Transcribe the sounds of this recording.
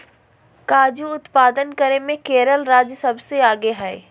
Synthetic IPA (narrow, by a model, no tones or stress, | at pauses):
kaːd͡ʒuʊt̪paːd̪ənkəɾemẽkeːɾəlɾaːd͡ʒsɐbseaːɡeɦɛː